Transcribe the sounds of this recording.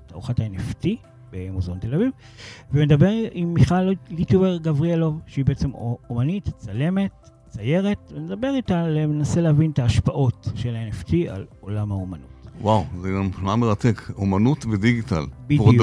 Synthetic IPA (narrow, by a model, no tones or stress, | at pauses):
taʁuχataenefti | bemozont̪e̞laviv | vemed̪abe̞ʁimːiχallituveʁɡavʁialo̞vʃeibeʔet͡semomanitt͡sale̞me̞t | t͡saje̞ʁe̞tvened̪abe̞ʁitalemenase̞lehavint̪aːʃpaʔo̞tʃe̞laeneft̪ia̰lo̞lamhaomanutwawzeɡamχnameʁat̪ekomanutvediɡita̰lbi